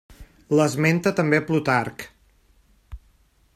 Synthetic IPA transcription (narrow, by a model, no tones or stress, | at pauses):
ləzment̪ət̪əmbeplut̪ark